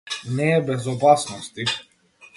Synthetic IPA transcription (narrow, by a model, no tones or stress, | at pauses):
nɛːbɛzɔpasnɔst̪i